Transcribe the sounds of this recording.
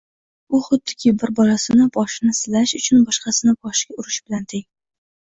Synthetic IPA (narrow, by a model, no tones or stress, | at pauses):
ʊχʊd̪ːɪ̥kʲʰɪbɪɾbɒlasɪnɪbɒʃɪnɪsɪlaʃʊt͡ʃʰʊnbɒʃqɑsɪnɪbɒʃɡʲaʊɾɪʃbɪlant̪ʰɪŋ